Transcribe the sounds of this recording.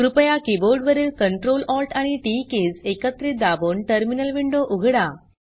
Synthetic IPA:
kɾupjakiboɾɖʋəɾiːlkəɳʈɾolɔlʈaɽ̃iʈikesekət̪ɾiːd̪aboɳʈəɾminəlʋiɳɖoʔuɡʱɽa

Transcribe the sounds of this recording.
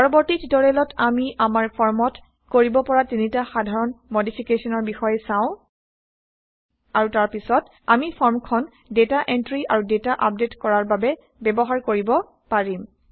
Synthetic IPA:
pɔɹɔbɔɹtitdɔɹɛlɔtamiʔamaɹpʰɔɹmɔt | koɹibɔpɔɹatinitaxadʱaɹɔnmodipʰikesɔnɔɹbixɔjɛsaʊ̃ | aɹutaɹpisɔt | amipʰɔɹmkʰɔn | detaʔentɹiʔaɹudetaʔap̚detkɔɹaɹbabɛ | bɛbɔɦaɹkoɹibɔ | paɹim

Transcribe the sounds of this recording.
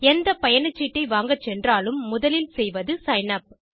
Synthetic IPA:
ɛnd̪ɐpɐjɐnɐt͡ʃːiʈːɐɪʋaːŋɡɐt͡ʃːɛndraːlɯmːʊðɐlɪlsɛjʋɐðɯsɐjnɐp̚

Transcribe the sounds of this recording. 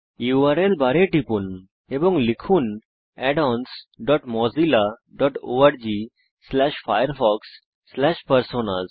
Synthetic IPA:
iaɾelbaɾeʈipuːn | ebɔ̃ŋɡlikʰuːn | ɛɖɔnsɖɔʈmɔzilaɖɔʈo̰aɾd͡ʑi | slɛɕfajəɾfɔksː | lɛɕpəɾsona̰z

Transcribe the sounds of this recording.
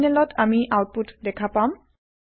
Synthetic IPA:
nɛlɔtʰamiʔawt̚putdɛkʰapam

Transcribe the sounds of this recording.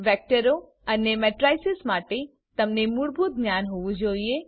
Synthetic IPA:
ʋɛk̚ʈəɾo | ənemɛʈɾajsɪsmaʈe | t̪əmnemuɭbʱut̪̚ɡnjanɦoʋũd͡ʒoie

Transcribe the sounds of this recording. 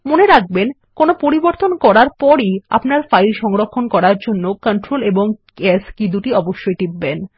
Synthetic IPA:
moneɾaɡ̚ben | konopoɾiboɾt̪onkɔɾaɾpɔɾia̰pnaɾfaiɾʃɔŋɾokʰːonkɔɾaɾd͡ʑonːokoɳʈɾoleboŋkeskid̪uʈiɔboʃːojd̪ib̚ːen

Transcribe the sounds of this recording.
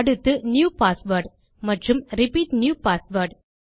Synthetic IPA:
ɽɯt̪ːɯnjuːpaːsʋɐɾɖ | mɐʈrɯmɾɪpiːʈnjuːpaːsʋɐɾɖ

